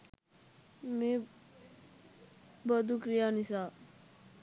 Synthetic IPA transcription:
mẽː | bəd̪ukɾijaːnisaː

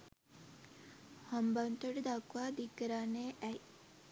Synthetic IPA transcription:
hambant̪oɖəd̪akʋaːd̪ikːəɾaːnːeːʔæj

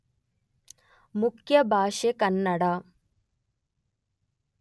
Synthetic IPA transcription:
mukʰjɐbʱaːʃekɐnːɐɽaː

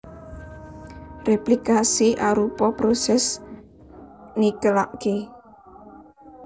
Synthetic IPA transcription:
replikasiʔaɾupɔpɾosɛs | nikəlaʔke

